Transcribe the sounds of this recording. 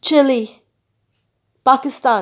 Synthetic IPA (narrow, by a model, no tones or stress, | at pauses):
t͡ʃɪli | pakɪstã